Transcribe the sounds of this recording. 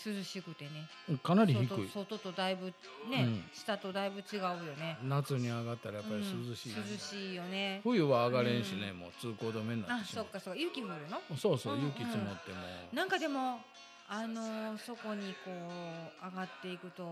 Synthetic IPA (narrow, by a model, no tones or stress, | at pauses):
sɨzɨɕikɯ̟t̪e̞ne̞ | kanaɾʲihikɯ̟isot̪o̞t̪o̞d̪aibɯ̟ | nẽ̞ɕi̥t̪at̪o̞d̪aibɯ̟t͡ɕiɡaɯ̟jo̞ne̞nat͡sɨɲ̟iaɡat̪ːaɾajapaɾĩsɨzɨɕiːssɨzɨɕiːjo̞ne̞ɸɯ̟jɯ̟βaːɡaɾẽɰ̃ɕine̞moːt͡sɨːko̞ːd̪omẽ̞nːaaɕso̞kːaso̞kːajɯːkʲiɸɯɾɯ̟no̞so̞ːsoːjɯkkʲit͡sɨmot̪ːe̞mo̰nãŋkad̪e̞mo̞ | ano̞so̞ko̞ɲ̟iko̞ːaɡat̪ːe̞ikɯ̟t̪o̞